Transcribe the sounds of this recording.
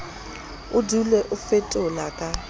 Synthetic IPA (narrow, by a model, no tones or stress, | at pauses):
ʊdulɛʔʊfetʼʊlakʼa